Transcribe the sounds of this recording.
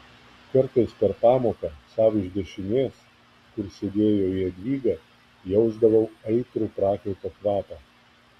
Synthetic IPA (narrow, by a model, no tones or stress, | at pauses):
kɐɾt̪ɐɪspʲɛɾpɑːmoːkɐsɑːʋɪʒʲd̪ʲɛʃʲɪnʲeːs | kʊɾsʲed̪ʲeːjoːiɐd̪ʲʋʲiːɡɐː | jɛʊzd̪ɐʋɐʊɐɪt̪ɾuːpɾɑːkʲɛʊt̪ɐkʋɑːt̪ɐ